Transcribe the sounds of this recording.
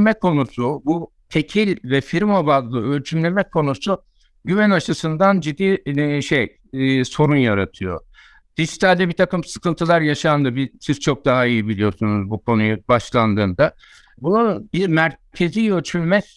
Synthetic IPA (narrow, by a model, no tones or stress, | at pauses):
mɛkʰo̞nusubu | t̪ʰe̞cʰilʲvɛfiɾmo̞bazlˠɯølt͡ʃʰymlʲe̞mɛkʰːo̞nuɾsu | ɟyvænaʃɯsɯnd̪and͡ʒid̪ːiːʃejː | so̞ɾunjaɾat̪ʰɯjo̞̰ | d̪̥iʒit̪ʰalʲd̪ɛbit̪ʰakɯmsɯ̥kʰɯnt̪ʰɯlˠaɾjaʃand̪ɯbisiz̥t͡ʃʰo̞k̚d̪aɦaijibilʲijo̞ɾsunuzbukʰo̞nujubaʃlˠand̪ɯːnd̪a | bunaɯbiɾmæɾcʰe̞zijøt͡ʃʰylʲmɛs